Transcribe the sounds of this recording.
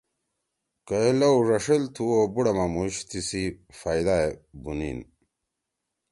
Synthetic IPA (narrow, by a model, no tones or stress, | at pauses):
kɐelowʐɐʂelt̪ʰuobuɽɐmamuɕt̪ʰisifaːjd̪aebunḭn